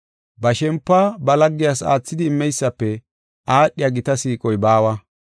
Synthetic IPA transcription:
bɐʃɛmpːabɐlɐɡːɪjaːsa̰ːt͡sːɪd̪ɪːmːɛjsːɐpːɛ | aːɗːɪjaɡɪt̪ɐsiːkʼɔjbaːwɐ

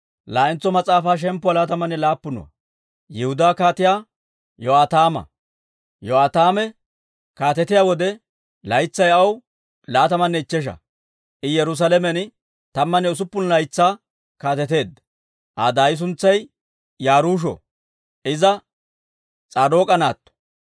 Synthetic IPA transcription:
laːɪnt͡sːɔmɐt͡sʼaːfaːʃ̬ɛmpːʊwalaːt̪ɐmɐnːɛlaːpːʊnɔ̰ɐ̰ | jɛhʊd̪aːkaːt̪ɪjaː | joaːt̪aːmɐ̰ | joaːt̪aːmɛ | kaːt̪ɛt̪ɪjawɔd̪ɛ | lɐjt͡sːɐjɐw | laːt̪ɐmɐnːɛɪt͡ʃːɛʃ̬ɐ̰ | ʔɪjɛɾʊs̬ɐlɛmɛn | t̪ɐmːɐnɛʊs̬ʊpːʊnlɐjt͡sːaː | kaːt̪ɛt̪e̞ːd̪ːɐ̥ | ʔa̰d̪aːjɪs̬ʊnt͡sːɐj | jaːɾuːʃ̬ɔ̰ | ʔɪzɐ | t͡sʼaːd̪oːkʼɐnaːt̪ːɔ̥

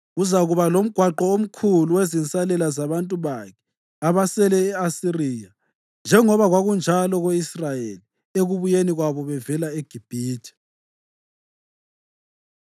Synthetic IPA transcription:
uzaɣuβalom̩ɡ̥ʱwaǃɔom̩kʰuluwezint͡sʼalɛlazaβantʼuβakʰɛ̥ | aβasɛlɛːasiriːja | nd͡ʒʱɛŋɔβaɣwaɣund͡ʒʱalɔɣeisrajḛli | eɣuβujeniɣwaβɔβɛvɛlaeɡ̥ʱib̥ʱiːtʰi̥

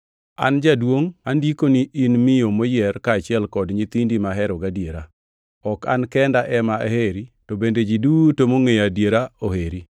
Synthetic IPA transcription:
a̰nd͡ʒadwoŋandikoniʔinmɪjomojɛrkaːt͡ʃɪɛlkɔdɲit̪indimaɦɛɾɔɡadjeɾa | ɔka̰nkɛndaʔɛmaʔeheɾitobended͡ʒidutomoŋejadjeɾaoheɾi

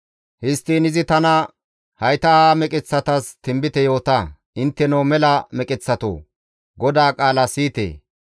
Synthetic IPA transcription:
hɪst̪iːnɪzɪt̪ɐnɐ | hɐjt̪ɐaːmɛkʼɪt͡sːɐt̪ɐst̪ɪmbɪt̪ɛjo̞ːt̪ɐʔɪnt̪ːɛnoːmɛlɐmɛkʼɪt͡sːɐt̪o̰ː | ɡɔd̪aːkʼaːlɐsiːt̪ḛː

